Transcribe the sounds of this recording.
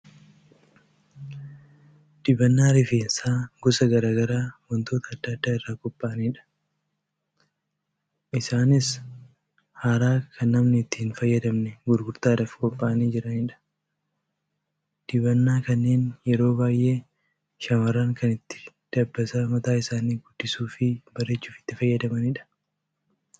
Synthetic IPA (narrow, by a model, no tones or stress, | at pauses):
d̪̥ɪbɐnːaːɾɪfeːnsaːɡɔsɐɡɐɾaːɡɐɾaːwɔnt̪o̞ːt̪ɐːd̪ːɐd̪ːaːɪrːaːkɔpʼːaʔɐniːᶑɐ̥ | ʔɪsaːnɪs | haːɾaːkʰɐnːɐmnɪɪt̪ːɪhːnfɐjːɐd̪ɐmnɛɡʊɾɡʊɾt̪aːᶑɐfkɔpːaʔɐniːd͡ʒɪɾɐnɪᶑɐ̥ | d̪̥ɪbɐnːaːkɐnːe̞ːnjɛɾo̞ːbaːjʔe̞ː | ʃɐmɐɾaːŋkɐnɪt̪ːɪ̥ | d̪̥ɐbːɐsɐmɐt̪aːɪsaːniːɡʊd̪̥ːɪsuːfɪbɐɾe̞ːt͡ʃːuːfɪ̥t̪ːɪfɐjːɐd̪ɐmɐnɪᶑɐ̥